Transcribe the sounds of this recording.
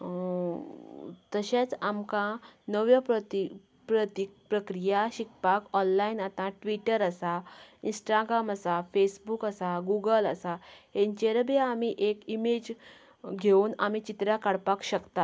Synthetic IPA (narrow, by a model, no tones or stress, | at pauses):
t̪əɕãt͡samkãnəʋjəpət̪i | pɾət̪ipɾəkɾijaɕikpakɔnlainat̪ãʈʋiʈəɾəsainsʈaɡɾamasafesbukasaɡuɡələsahent͡ɕeɾəbaamiʔekimed͡ʑ | ɡʱeunamit͡ɕit̪ɾjakaɽpakɕəkt̪at̪